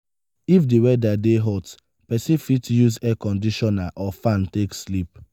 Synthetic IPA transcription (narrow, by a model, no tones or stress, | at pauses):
ifdiwɛdadeɦɔt | pɛsifitjuzɛkɔ̃ndiʃɔnaʔɔfãntekslip̚